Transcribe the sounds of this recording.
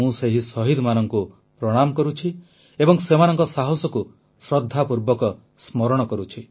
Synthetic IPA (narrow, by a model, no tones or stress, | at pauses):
ũseɦisɔɦid̪manɔŋku | pɾɔɽ̃amɔkɔɾut͡ʃʰi | ebɔŋsemanɔŋkɔsaɦɔsɔku | sɾɔd̪ʱːapuɾbɔkɔ | smɔɾɔɽ̃ɔkɔɾut͡ʃʰi